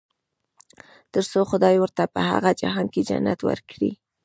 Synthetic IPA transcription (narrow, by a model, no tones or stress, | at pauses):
t̪əɾsoxʊd̪ɑjwəɾt̪apəha̰ɣad͡ʒa̰ɦɑnked͡ʒa̰nːat̪wə̰ɾkɽḭ